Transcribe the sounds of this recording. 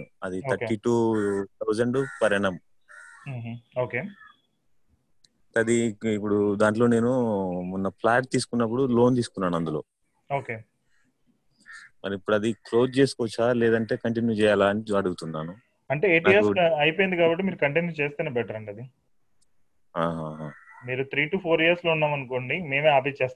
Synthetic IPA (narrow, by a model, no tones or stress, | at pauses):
ɐd̪iɐːiʈuːt̪ʰɐwd͡ʒɐɳɖpɐɾɐɳɐm | ɦɦoːkeː | ʈɐd̪iːpːuɽud̪aːɳʈlo̞ːne̞ːnumunːɐplaːʈ̚t̪iːsu̥kunːɐp̬ːuɽulo̞ːnt̪iːsu̥kunːaːnuɐnd̪ulo̞ː | oːkeː | mɐɾiipːuɽuɐd̪ikloːd͡ʒt͡ʃe̞ːsu̥kɔt͡ʃːaːlɛːd̪ɐɳʈe̞ːkɐɳʈ̬injuːt͡ʃɛːjaːlaɐniɐɽuɡut̪unːaːnu | ɐɳʈe̞ːeːʈijɐɾsɐjpojnd̪ikaːbɐʈːimiːɾukɐɳʈent͡ʃeːst̪eːnebɛʈɐɾɐɳɖɐd̪i | ɦaːɦaːɦaːmiːɾut̪ʰɾiːʈuːpʰoːɾijɐɾsloːunːaːmɐnukoːɳɖime̞ːmeːaːpet͡ʃeːst̪